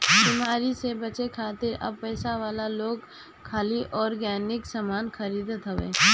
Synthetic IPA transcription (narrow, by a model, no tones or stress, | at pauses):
bimaːɾisebɐt͡ʃekʰaːt̪ɪɾɐ̰b̚pɛːsaʋaːlaloːɡ | kʰaːliʔɔːɾɡɛːnɪksaːmaːnxɐɾiːd̪ət̪ɦɐʋḛː